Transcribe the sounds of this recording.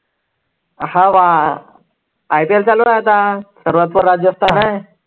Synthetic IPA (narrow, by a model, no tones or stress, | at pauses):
hãʋa | ajpielt͡saloat̪asəɾʋat̪pəɾːad͡ʑjəst̪anaj